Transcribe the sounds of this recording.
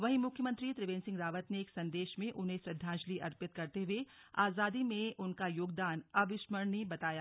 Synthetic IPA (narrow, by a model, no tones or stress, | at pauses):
ʋɐɦimʊkʰjəmə̃nt̪ɾit̪ɾɪʋẽːnsɪ̃ŋɡɾaːʋət̪neːksɐ̃nd̪eːʃmẽʔʊnɦẽsɾɪd̪ʱːãːʃliʔɐɾpɪt̪̚kɐɾt̪eɦuea̰ːzaːd̪imẽʊnkajoːɡd̪aːnɐbɪʃməɾnibɐt̪aːjaː